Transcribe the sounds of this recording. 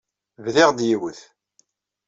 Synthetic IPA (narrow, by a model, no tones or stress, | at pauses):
vðɪʁd̪jiwəθ